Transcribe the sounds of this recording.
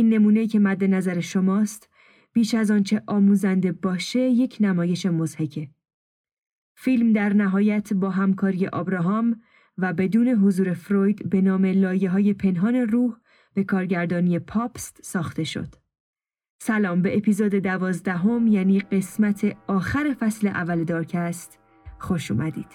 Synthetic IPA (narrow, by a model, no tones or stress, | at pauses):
ʔiːnːe̞muːne̞iːcʰe̞mæd̪ːe̞næzæɾe̞ʃo̞mɒːst̪ | b̥iːʃæzɒːnt͡ʃʰe̞ʔɒːmuːzænd̪e̞bɒːʃe̞je̞cʰnæmɒːje̞ʃe̞mozhecʰe̞ | filmd̪æɾnæɦɒːjæt̪ʰbɒːɦæmkʰɒːɾije̞̰ʔɒːbɾɒːɦɒːm | væbe̞d̪uːne̞ɦozuːɾe̞fɾojd̪be̞nɒːme̞lɒːje̞ɦɒːje̞pʰe̞nɦɒːne̞ruːh | b̥e̞kʰɒːɾɟæɾd̪ɒːnijepʰɒːpst̪sɒːxt̪e̞ʃo̰d̪̥ | sælɒːmbe̞ʔepizoːd̪e̞d̪ævɒːzd̪æɦo̞mjæːniːɢe̞smæt̪ʰe̞ɒːxæɾe̞fæsleʔævːæled̪ɒːɾcʰæst̪ | xo̞ʃṵːmæd̪ḭːd̪̥